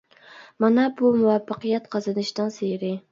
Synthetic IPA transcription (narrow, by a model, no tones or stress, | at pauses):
mɑnɛbumuwɑfːɑqɨjɛt̪qʰɑzɨnɨʃt̪ɨnsejɪɾɪ